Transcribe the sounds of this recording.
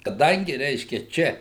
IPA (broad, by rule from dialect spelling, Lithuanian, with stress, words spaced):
kɐˈdɐŋʲɡʲɪ ˈrʲɛɪʃʲkʲɛ ˈt͡ʃʲɛ